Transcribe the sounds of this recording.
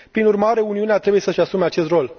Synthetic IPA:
pɾinurmaɾe̞uniuneat̪ɾe̞buje̞səʃasumeat͡ʃe̞st̪ro̞l

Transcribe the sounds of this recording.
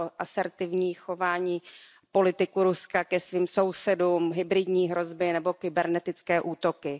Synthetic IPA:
ʔasɛɾt̪ɪvɲiːxo̞vaːɲiː | po̞lɪt̪ɪkuɾuskakɛsviːmso̞wsɛduːmɦɪbɾɪdɲiːɦɾo̞zbɪnɛbo̞kɪbɛɾnɛt̪ɪt͡skɛːʔuːt̪o̞kɪ

